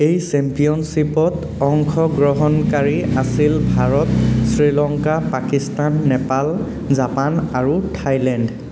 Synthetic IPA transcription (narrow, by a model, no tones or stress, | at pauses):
ejsɛmpijɔnsipɔt | ɔŋkʰɔɡɹɔɦɔnkaɹiasilbʱaɹɔtsɹilɔŋkapakistanːɛpal | zapanaɹutʰajlɛnd